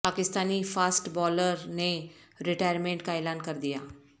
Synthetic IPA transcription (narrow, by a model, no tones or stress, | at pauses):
paːkɪst̪aːnifʰaːsʈbɔːləɾne | ɾɪʈaːjəɾmẽːɳʈkaeːlaːnkɐɾd̪ijaː